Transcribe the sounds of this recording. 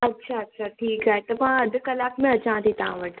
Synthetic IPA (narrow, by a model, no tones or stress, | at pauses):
ɐtːʃʰaɐtːʃʰaʈʰiːkaːet̪ɐpãəd̪ʱkəlaːkmẽət͡ʃãːt̪it̪ã̰ːʋəʈ